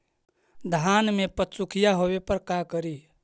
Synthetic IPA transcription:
d̪ʱaːnmẽpət̪t͡ʃukʰijaɦowepəɾkakəɾi

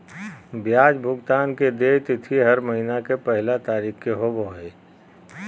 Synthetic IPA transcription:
bjaːd͡ʒbʱʊɡt̪aːnked̪eːt̪ɪt̪ʰiɦɐɾməɦinakepɛɦlat̪aːɾiːkkeɦoboɦeː

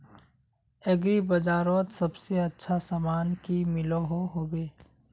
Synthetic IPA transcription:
eɡɾibɐd͡ʒaːɾoːt̪sɐbseɐtːʃʰasaːmaːnkimɪloɦoɦoːbeː

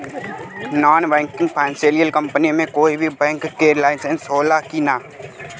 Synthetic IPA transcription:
naːnbɛ̃ːŋkɪ̃ŋɡpʰɛːnseːlijəlkə̃mpənimẽkoːibʱibɛ̃ːŋkːeɾlaːɪnsẽnsɦoːlakina

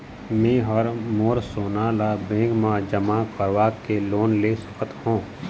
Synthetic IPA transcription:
mẽːɦɔɾmoːɾsoːnaːlabẽːŋɡmãd͡ʒəmãkəɾʋaːkːeloːnlesʊ̥kət̪hõː

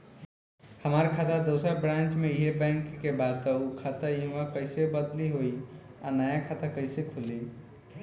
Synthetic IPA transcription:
həmaɾkʰat̪əd̪osəɾbɾãnt͡ʃmeiɦebɛŋkːebad̪̚t̪əukʰat̪əiɦmakəɪsebəd̪liɦoi | anajakʰat̪akəɪsekʰuli

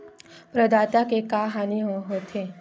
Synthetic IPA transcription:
pɾəd̪aːt̪akekaːɦaːniɦoɦoːt̪ʰeː

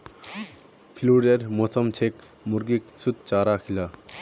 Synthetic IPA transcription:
pʰiluɾeɾmoːsɐmt͡ɕʰek | muɾɡiksut̪̚t͡ʃaːɾaːkʰila

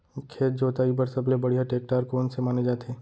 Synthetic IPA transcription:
kʰeːt̪̚d͡ʒoːt̪aːipɐɾsɐblebɐɽijaʈeːk̚ʈaːɾkoːnsemaːned͡ʒaːt̪eː

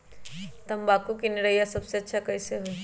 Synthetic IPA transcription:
t̪ɐmbakukiniɾəijasɐbseɐtːʃʰakɐiseɦo

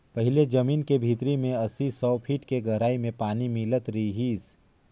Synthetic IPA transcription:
pɐɦɪled͡ʒɐmiːnkebʱiːt̪ɾimẽɐsisɔːpʰiːʈkeɡɐɾaːimẽpaːnimilət̪ɾiiɦiːs

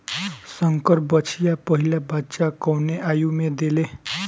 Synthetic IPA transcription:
sʌŋkʌrbʌt͡sʰijapʌɦilabʱatːt͡sakawneʔajumed̪ele

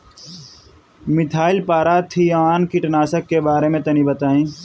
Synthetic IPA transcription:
mɪt̪ʰaːɪlpaːɾaːt̪ʰiaaːnkiʈɐnaːsəkːebaːɾemẽt̪ɐnibɐt̪aːĩː

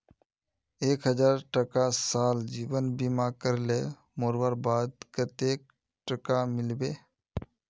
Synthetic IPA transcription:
eːkɦəd͡ʒaːɾʈəkasaːld͡ʒiːʋənbiːmaːkəɾleː | moːɾwəɾbaːd̪kət̪eːk̚ | ʈəkamɪlbeː

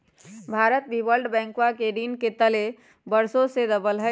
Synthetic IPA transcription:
bʱaɾət̪̚bibəlɖbɛ̃ːŋkwakeɖinket̪əle | bəɾsõsed̪əbəlɦə

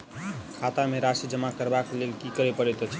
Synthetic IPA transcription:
kʰat̪ameɾasid͡ʒəmakəɾbaklelkikəɾepʌɾet̪ot͡ʃʰ

